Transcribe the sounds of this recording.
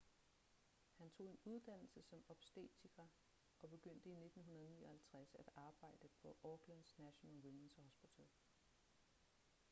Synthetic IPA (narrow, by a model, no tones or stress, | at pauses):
hænt͡sʰo̝̰ːe̝nuð̞ˠd̥æn̰l̩səsɒ̽mɒ̽b̥sd̥ḛːt͡sʰikʰæ | ʔɒ̽b̥e̝ɡ̥øn̰d̥əine̝d̥n̩ɦunɐðˠniːɐhælt͡sʰʁasæd̥ɑ̈ːb̥ɑ̈ɪ̰d̥əpʰɒ̽ʔɒɡ̥læn̰̥snæɕonɛlwimensɒhosb̥ot͡sʰæl